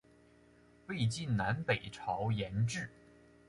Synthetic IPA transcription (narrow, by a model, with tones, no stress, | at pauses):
we˥˧ɪt͡ɕi˥˩nna˧˥npe˨˩ɪʈ͡ʂʰɑ˧˥ʊjɛ˧˥nʈ͡ʂɻ̩˥˩